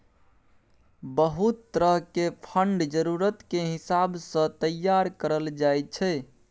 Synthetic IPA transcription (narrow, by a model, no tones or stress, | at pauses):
bəɦut̪ːɾəɦkepʰəɳɖd͡ʒəɾuɾət̪keɦɪsabsə̃t̪əjːaɾkəɾəld͡ʒaet͡ʃʰɛ